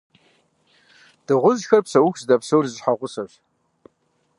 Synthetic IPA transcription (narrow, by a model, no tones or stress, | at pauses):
d̥ɨʁʷʊzxɐrpsɐwʊxʷzdɐpsowrzħaʁʷʊsɐɕ